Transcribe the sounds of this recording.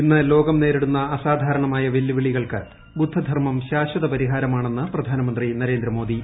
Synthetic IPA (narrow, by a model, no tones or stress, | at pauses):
inːɨlo̞ːɡɐmne̞ːɾiɽunːɐɐsaːd̪ʱaːɾɐɳɐmaːjɐʋelːjiʋiɭiɣɐɭkɨ | bud̪ʱːɐd̪ʱɐrmɐmɕaːɕɐðɐpɐɾiɦaːɾɐmaːɳe̞nːɨprɐd̪ʱaːnɐmɐnd̪rinɐɾe̞ːnd̪ɾɐmo̞ːd̪i